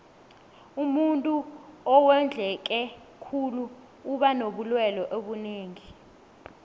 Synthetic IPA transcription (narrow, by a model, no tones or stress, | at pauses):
umuntʼuɔwɛnd͡ɮʱɛk̬ʼɛ | kʰuluː | ɓanoɓulwɛlɔʔeɓuneːŋi